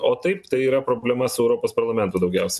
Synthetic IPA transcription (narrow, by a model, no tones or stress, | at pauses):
oːt̪ɐɪpt̪ɐɪiːɾɐpɾoːbʲlʲɛmɐsʊɛʊɾoːpoːspɐɾlˠɐmʲɛnt̪ʊd̪ɐʊɡʲɛʊsʲɛ